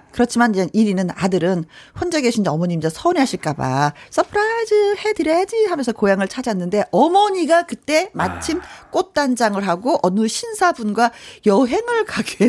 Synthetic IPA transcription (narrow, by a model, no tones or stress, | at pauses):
kɯɾʌt͡ɕʰimanid͡ʑenʔiɾinɯna̰dɯɾɯnɸwond͡ʑeɡeɕʰind͡ʑeʌmʌɲimid͡ʑasʰʌniɦaɕʰiɭk͈aba̰s͈ʌpʰɯɾaid͡ʑɯhe̞dɯɾjʌjad͡ʑiɦamjʌnsʰʌkojaŋɯɭt͡ɕʰad͡ʑanːɯnde̞ʔʌmʌɲiɡakɯt͈e̞mat͡ɕʰimk͈ot̚t͈and͡ʑaŋɯɭɦaɡoʔʌnuɕʰinsʰabunɡwajʌɦe̞ŋɯɭkaɡe